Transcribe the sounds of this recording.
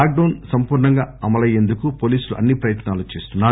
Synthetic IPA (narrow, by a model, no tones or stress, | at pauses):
aːk̚ɖɐwnsɐmpuːɾɳɐŋɡaːɐmɐlɐje̞nd̪ukupoːliːsuluʔɐ̰nːipɾɐjɐt̪naːlut͡ʃe̞ːst̪unːaː